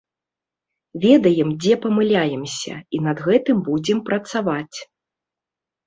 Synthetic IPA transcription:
vʲɛd̪ɐjɛmd͡zʲɛpɐmɨlʲajɛmsʲɐ̰inɐd̪ɣɛt̪ɨmbud͡zʲɛmpɾɐt̪savat͡sʲ

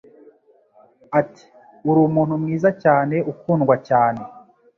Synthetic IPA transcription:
ati̥ | uɾuːmuːn̥humŋiːzacaːne̞ʔukuːnɡwacaːne̞

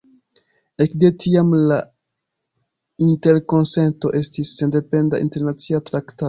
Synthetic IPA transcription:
e̞kde̞tʰiamla | inte̞ɾko̞nse̞nto̞̰ʔe̞stisːe̞nde̞pe̞ndaʔḭnte̞ɾnat͡siatɾakta

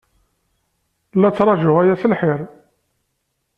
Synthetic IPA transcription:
lːæt͡sːɾˤɑʒʊʁæjæθəlħɪɾˤ

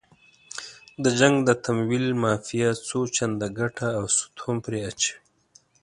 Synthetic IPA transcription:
d̪əd͡ʒaŋɡd̪ət̪ʰamwilmɑfijat͡sot͡ʃand̪aɡaʈaːwsʊ̥t̪ʰompɾeat͡ʃe̥

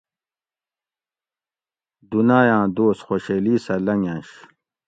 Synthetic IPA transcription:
d̪unaːjãːd̪oːsxoɕeliːsɐlɐŋjãːɕ

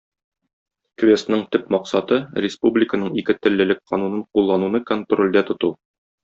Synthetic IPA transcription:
kvʲest̪nɤɴt̪ɵpmɒqsɑt̪ɤɾʲɪspublʲɪkənɤɴikɘt̪ɘ̆lːɘ̆lɘk̚qːɒnunɤɴqulˠːɑnunɤkont̪rolʲd̪æt̪ŏt̪u

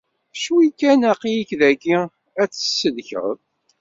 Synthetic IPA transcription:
ʃwikːænæqijikðæɡi | æt͡sːə̥sːəðçə̰ðˤ

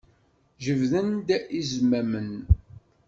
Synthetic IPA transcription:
ʒəvðənd̪izmæmən

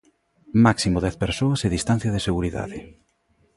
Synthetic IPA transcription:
maksimoðɛθpeɾsoɐseðist̪an̟θjɐð̞eseɣuɾiða̰ðɪ

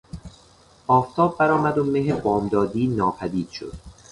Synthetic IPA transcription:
ʔɒːft̪ʰɒːbːæɾɒːmæd̪omeɦebɒːmd̪ɒːd̪iːnɒːpʰæd̪iːd̪̥ʃo̰d̪̥

